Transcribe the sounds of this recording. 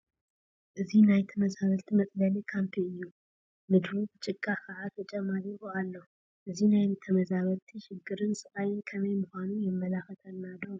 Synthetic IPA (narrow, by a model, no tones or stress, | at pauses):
ʔɨzihnajt̪ʰəməzaβəlt̪ʰimət̪ʼlalekʰampʰeɲjːuw | mɨd̪ɾobt͡ʃʼɪkʼːakaʕat̪ʰət͡ʃʼɛmːaɾɨboalːəhu | ʔɨzihnajt̪ʰəməzaβəlt̪ʰiʃɪɡːɨɾɨnsɨʔʼajɪnkʰəmeməhanujɛmːəlakət̪ʰənːad̪əw